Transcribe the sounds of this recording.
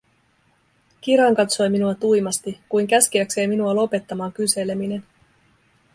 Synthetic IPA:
k̟iɾɑŋkɑt̪so̞jminuɑt̪ujmɑst̪ikujŋk̟æsk̟iækse̞ːminuɑlo̞pe̞t̪ːɑmɑːŋkyse̞le̞mine̞n

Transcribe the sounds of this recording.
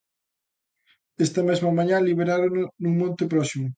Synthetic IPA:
est̪ɐmɛzmɐmãɲãliβ̞eɾaɾonnuŋmõnt̪ɪpɾɔsimʊ

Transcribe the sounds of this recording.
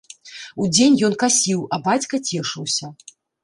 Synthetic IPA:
ud͡zʲenʲjɔnkasʲiwɐbat͡sʲkɐt͡sʲɛʂɨwsʲɐ

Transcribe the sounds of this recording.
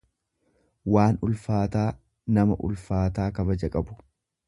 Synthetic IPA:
waːnʊlfaːt̪aː | nɐmɐ̰ʔʊ̰lfaːt̪aːkɐbɐd͡ʒɐkʼɐbʊ̥

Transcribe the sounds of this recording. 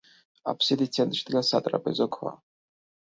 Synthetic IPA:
a̰pʰsid̪it͡sʰɛnt̪ʼʃid̪ɡasat̪ʼɾa̰pʼɛzɔkʷʰwa̰

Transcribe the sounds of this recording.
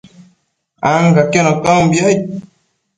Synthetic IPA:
aŋɡakɛnɔkambja

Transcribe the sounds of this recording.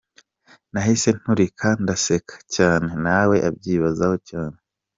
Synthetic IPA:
naɦise̞n̥huɾikʰandase̞kʰḁcaːne̞nawe̞ʔabɟiːβazaho̞caːne

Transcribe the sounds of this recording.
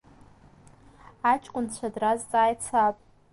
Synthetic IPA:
at͡ʃʼkʷʼʊnt͡ɕʷʰadrazt͡sʼaːjt͡sʰapʼ

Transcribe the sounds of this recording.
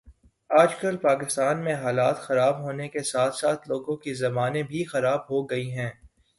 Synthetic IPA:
aːd͡ʒkɐlpaːkɪst̪aːnmẽɦaːlaːt̪xɐɾaːbɦoːnekesaːt̪ʰsaːt̪ʰloːɡõkizɐmaːnẽbʱixɐɾaːbɦoɡɐiɦɛ̃ː

